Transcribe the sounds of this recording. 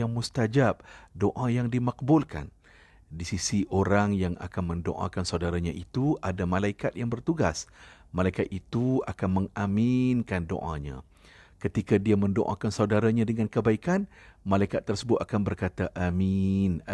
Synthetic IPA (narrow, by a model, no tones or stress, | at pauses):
aŋmust̪ad͡ʒap̚doʔãjaŋdimak̚bʊlka̰n | disisiʔoɾaŋjaŋa̰kanmə̃ndo̰ʔa̰kansawdaɾaɲãʔit̪uadamãlaikat̪̚jaŋbərt̪uɡas | mãlaikat̪̚it̪ua̰kanmə̃ŋamɪnkando̰ʔã̰ɲã̰ | kət̪ikadiamə̃ndo̰ʔã̰kansaudaɾaɲãdəŋãnkəbaikanmalaikat̪ːərsəbʊt̪̚akanbərkat̪aʔamin